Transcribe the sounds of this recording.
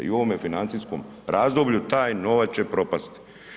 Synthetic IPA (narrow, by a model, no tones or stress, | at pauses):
ḭo̞ʋomjefinant̪isko̰m | ɾaːzd̪o̞bʎut̪aːjno̞ʋat͡ɕe̞pɾo̞past̪i̥